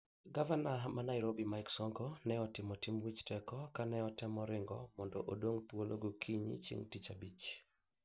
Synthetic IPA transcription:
ɡavanamanaɪɾobimajksɔŋkonɛɔtɪmɔtimwit͡ʃtɛkɔkanɛɔtɛmɔɾɪŋɡɔ̰mɔndɔʔodoŋt̪woloɡokʰiɲḭt͡ʃḭŋtit͡ʃabit͡ʃ

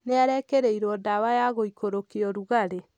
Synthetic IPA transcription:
neaɾɛkeɾɛiɾwɔdawajaɣoikoɾokeɔɾuɣaɾe

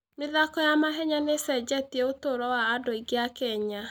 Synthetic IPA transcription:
meðakɔjamaɦɛɲanesɛd͡ʒɛtiɛotoɾɔwaːdoiɡeakɛɲa

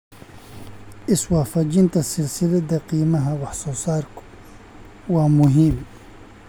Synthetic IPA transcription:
ʔiswafɐd͡ʒint̪asilsiled̪aqiːmaɦawaħsosaːɾk | wamuɦim

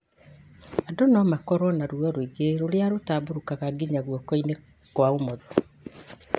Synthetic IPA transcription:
adɔnɔmakɔɾɔnaɾwɔɾoiɡeɾoɾeaɾotaboɾukaɣaɡiɲaɣwɔkɔine | kwaomɔðɔ

